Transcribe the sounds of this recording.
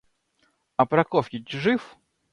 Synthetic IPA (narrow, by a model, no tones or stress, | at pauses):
ɐpɾɐkɔfʲɪtʲʐɨf